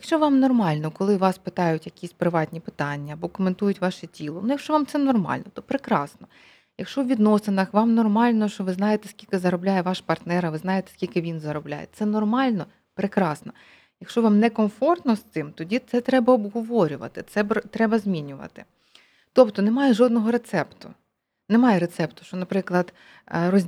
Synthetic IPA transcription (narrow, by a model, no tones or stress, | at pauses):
jɐkʃt͡ʃɔʋɑmnɔrmɑlʲnɔkɔlˠɪʋɑspɪt̪ɑjʊtʲjɐkʲisʲpɾɪʋɑtʲnʲipɪ̥t̪ɑnʲːɐɐbɔkɔment̪ujʊtʲʋɑʃɛtʲilˠɔnujɐkʃt͡ʃɔʋɑmtsɛnɔrmɑ̰lʲnɔt̪ɔpɾɪkɾɑ̰snɔ | jɐkʃt͡ʃɔwʋʲid̪nɔsɪnɐxʋɑmnɔrmɑlʲnɔʃt͡ʃɔʋɪznɑjet̪ɛskʲilʲkɪzɐɾɔblʲajɛʋɑʃpɐrt̪nɛɾɐʋɪznɑjet̪ɛ̥skʲilʲkɪʋʲinzɐɾɔblʲa̰jɛ̰t̪sɛnɔrmɑlʲnɔ | pɾɪkɾɑsnɔ | jɐkʃt͡ʃɔʋɑmnɛkɔnfɔrt̪nɔst̪ɪmt̪ɔdʲit̪sɛt̪ɾɛbɐɔbɦɔʋɔɾʲʊʋɐ̰t̪ɪt̪sɛbt̪ɾɛbɐzʲmʲinʲʊʋɐ̰t̪ɪ | t̪ɔpt̪ɔnemɑjɛʒɔd̪nɔɦɔɾet̪sɛpt̪ʊ | nemɑjɛɾet̪sɛpt̪ʊ̥ʃt͡ʃɔnɐpɾɪklˠɐd̪ | rɔzʲ